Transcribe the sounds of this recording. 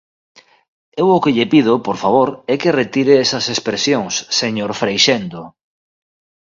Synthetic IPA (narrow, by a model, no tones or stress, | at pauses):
ewʊkeʎepiðʊpoɾfaβ̞oɾɛkeret̪iɾeesɐsespɾesjoŋsːeɲoɾfɾejʃend̪o